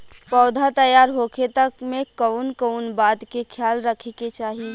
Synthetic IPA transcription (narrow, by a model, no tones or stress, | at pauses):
pəʊd̪ʱat̪əjaːɾɦoket̪əkmekəʊnkəʊnbad̪kekʰjaːlɾəkʰeket͡ʃaːɦi